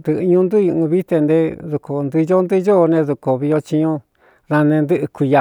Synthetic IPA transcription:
nd̪ɨ˧ʔɲũ˧˦nd̪u˦u˧ũ˧βi˦t̪e˧nd̪e˧ðu˧ko˨˧nd̪ɨ˧jo˦nd̪ɨ˦jo˦˧nẽ˧ðu˧˨ko˨βi˧jo˧t͡ʃi˧ɲõ˦ | ɾa˧nẽ˧nd̪ɨ˦ʔɨ˧ki˧ja˧

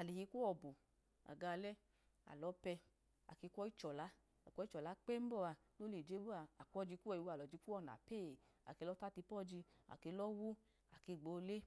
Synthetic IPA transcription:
a˨le˨hi˧kʷo˦ɔ˧˨bu˨ | a̰˨ɡa˧lɛ˦ | a̰˨lɔ˨˦pɛ˧ | a̰˨ke˧kʷɔ˦i˦t͡ʃɔ˨la˨˦˨ | kʷɔ˧˦i˦t͡ʃɔ˨la˨˦k͡pɛ˦m̩˦bɔ˧˨a˧ | lo˦le˨d͡ʒe˨˦bu˦a˧a˨kʷɔ˦d͡ʒi˧ku˦ɛ˧˨i˧wu˦a˨lɔ˨d͡ʒi˧ku˦ɔ˧˨n˨a̰˨peː˦˨ | a̰˨ke˧lɔ˦ta˦ti˧pɔ˦˨d͡ʒi˧a̰˨ke˧˦lɔ˦wu˦ | a˨ke˧˨ɡ͡bo˧˦˧le˦

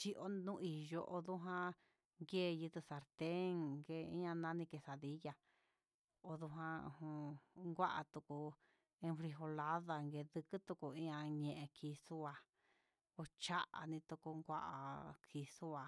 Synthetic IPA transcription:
t͡ʃi˧ʔo˧˦nũ˦˧ʔi˨jo˧˦ʔo˧ðu˦ɦã˦ | ŋɡe˦˨˧jɨ˧t̪ɨ˧sa˧ɾt̪e˦ŋɡe˧ḭ̃˦ã˧nã˦nĩ˧ke˧sa˨ði˧˦ja˧ | o˧ðu˧ɦã˧ṵ̃˧hũ˧ŋɡʷa˦ʔa̰˧t̪u˧ku˧ | ẽ˧fɾi˧ɦo˧la˦ða˧ŋɡe˧ðɨ˧kɨ˦t̪u˧ku˧ĩ˦ã˧ɲẽ˧ʔẽ˧kʰi˧su˦a˧ | o˧t͡ʃa˦ʔa̰˨nĩ˧t̪u˧ku˧ŋɡʷa̰˦ʔa̰˧˨kʰi˧su˦a˧

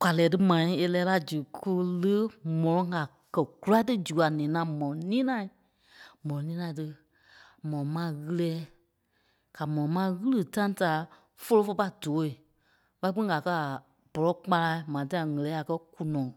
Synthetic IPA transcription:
ka˨lɛː˨˦tɨ˦mã˨ĩ˦e˧lɛː˧˦la˧˦d͡ʒu˨ku˧lə˦mɔ̃˨ɔ̃˨˦ŋa˨ | kɜ˨ɡ̥u˨˦a˦tɨ˦d͡ʒu˨a˨nɛ̃ː˨˦nã˨˦mɔ̃˨ɔ̃˨nĩː˦nã˦˨ | mɔ̃˨ɔ̃˨nĩː˦nã˧˨tɨ˧ | mɔ̃˨ɔ̃˨mã˦ɣɨ˧lɛː˦ | ka˨mɔ̃˨ɔ̃˨mã˦˧˦ɣɨ˦lɨ˨tã˦ta˨˦ | fo˧˦lo˧˦fo˧pa˧doː˨˦i˨ | ɓa˧i˦k͡pĩ˦ĩ˦ɡa˨kɜ˧˦a˨ | b̥ɔ˨lɔ˨˦k͡pa˧la˧˦mã˨t̬ã˦a˨ŋɛ˨lɛː˨˦a˨kɜ˧˦ku˨nɔ̃ː˨

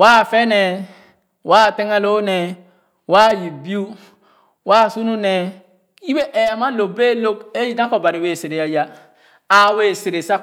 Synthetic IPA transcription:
waː˦˨fɛ˦nɛ˨ | waː˦˨tɛ˦ŋa˦lo˦nɛ˨ | wa˦ji˨bi˦u˦ | waː˦˨su˦nu˦nɛ˨ | i˦be˦ʔɛ˨ja˨ma˦lo˨be˦lo˦ke˦ji˦tã˦kɔ˨ba˨ɾi˨we˨se˨ɾe˨ja˨ja˨ | a˨we˦˨se˨ɾe˨sa˦

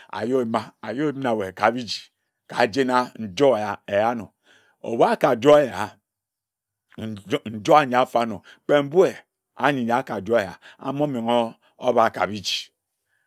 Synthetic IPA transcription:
a̰˨jo˦e˨ma˦a˨jo˦e˦m˦na˨we˨ka˨bi˦d͡ʒi̥˨ | ka˨d͡ʒe˦na˦n̩˦˨d͡ʒo˦˨e˨ja˦no̰˨ | o̰˨wa˦ka˨d͡ʒo˦e˦ja˨ha˨˦ | n̩˨d͡ʒo˦a˨ɲ˨a˨˦fa˦no˨ | k͡pe˦m̩˦bu˦e˨ | a˨ɲi˨ɲ˨a˨˦ka˨d͡ʒo˦e˨ja̰˨a̰˨m˦o˦mi˨ŋo˦ | o˦ba˨˦˨ka̰˨bi˦d͡ʒi̥˨

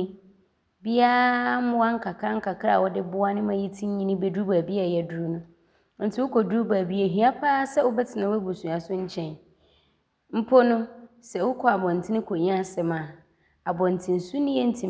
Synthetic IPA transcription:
bi˦a˦mʊ̃˦wa˦ŋ̩˦kʰa˨kʰa˦ŋ̩˦kʰa˨kʰa˨wɔ˦dɪ˦bʊ˦a˦nɪ̃˦mã˦ji˦tʰĩ˦ɲ˦ɲĩ˦nĩ˦bɛ˦du˦ba˨bi˦a˨jɛ˨du˦u˦nʊ̃˦ | n̩˦tʰɪ˨˦wʊ˦kʰɔ˨du˦u˦ba˨bi˦e˦˨ɦɥa˦pʰa˦sɛ˦wʊ˦bɛ˦tʰɪ˨nã˨˦ɛ˦bu˨sũ˨a˨sʊ˦ɲ̩˦t͡ɕʰɛ̃˨n | m̩˦pʰo˦nʊ̃˦ | sɛ˨wʊ˦kʰɔ˨a˨bɔ̃˨n̩˨tʰɪ˦nɪ̃˦kʰo˨ɲi˦a˦sɛ˨mã˨ | a˨bɔ̃˨n̩˨tʰĩ˨n̩˨su˦nɪ̃˦jɛ˦n̩˦tʰĩ˨

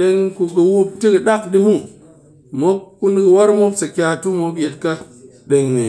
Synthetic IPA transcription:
ɗe˦ŋku˨kɨ˨wu˧p̚ti˦kɨ˨ɗa˦kɗi˦mu˦ | mo˦kːu˦nkɨ˧wa˦ɾmo˦ksa˨kʲa˨tu˦mo˦kje˨t̚ka˦ | ɗe˨ŋnḭ˨

